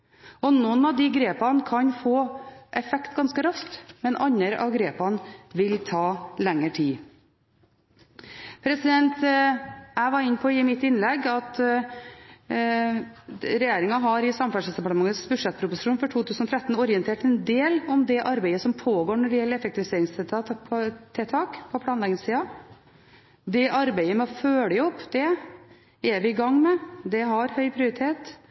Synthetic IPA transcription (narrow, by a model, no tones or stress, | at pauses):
ɔnuːnɑʋd̪ɪɡɾeːpɑnkʰɑɲfoːʔɛfɛkt̪ɡɑnskəɾɑskt̪mɛnʔɑɲːəɾɑ̰ʋɡɾeːpɑnʋɪlt̪ʰɑːlɛŋːəʈʰiː | pʰɾɛsɪd̪ɛnt̪ | æʋɑɾɪnːəpʰɔɪmɪt̪ːɪnlɛɡɑt̪ | ɾɛjeːɾɪŋɑɦɑɾɪsɑmfæʂɛsd̪ɛpɑʈəmɑŋːət̪sbʉd̪ʂɛt̪̚ːpʰɾʊpʊsɪʂuːnfɔʈʰuːt̪ʰʉːsənɔt̪ʰɾɛt̪ːn̩ɔɾɪənt̪ʰeːʈɛnd̪eːlɔmd̪ɛʔɑɾbæɪəsɔmpʰoːɡoːɳɔɖɪjɛlːəɾɛfɛk̚t̪ɪʋɪseːɾɪŋst̪ʰɛt̪ʰɑt̪ʰːɛt̪ʰɑːkpʰɔpʰlɑːnlɛɡnɪŋsiːɑ | d̪ɛʔɑɾbæɪəmɛɔføːləɔpːd̪̥ɛ | æɾʋɪɪɡɑŋːmɛd̪ɛɦɑɾhœʏpʰɾɪʊɾɪt̪ʰeːt̪